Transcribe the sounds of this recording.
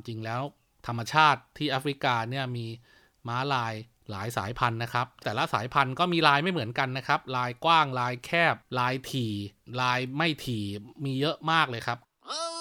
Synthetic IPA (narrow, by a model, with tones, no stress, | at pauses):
t͡ɕi˧ŋlɛː˦˥w | t̪ʰa˧mːa˧t͡ɕʰaː˥˩t̪ʰːiː˥˩ʔa˦˥fɾi˦˥kaː˧ni˥˩əmiː˧ | maː˦˥laː˧j | la̰ː˨˩˦jsa̰ː˩˦jpʰa˧nːa˦˥kʰa˦˥p̚t̪ɛː˨˩la˦˥saː˩˦jpʰa˧nkɔː˥˩miː˧ɾaː˧jma˥˩jmɯ˩˦ənka˧nːa˦˥kʰa˦˥p̚ɾaː˧jkwaː˥˩ŋɾaː˧jkʰɛː˥˩p̚laː˧jt̪ʰiː˨˩laː˧jma˥˩jt̪ʰiː˨˩miː˧jɤ˦˥ʔmaː˥˩k̚lɤː˧jkʰa˦˥p̚ | ʔɤː˧